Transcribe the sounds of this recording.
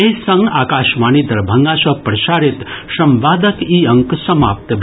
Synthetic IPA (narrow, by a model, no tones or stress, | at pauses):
esɐ̃ŋɡaːkaːʃmaːnid̪ɐɾbʱɐŋɡaːsɐpɾɐʃaːɾit̪ʃɐmʋaːd̪əkiːɐŋksɐma̰ːp̚t̪bʱ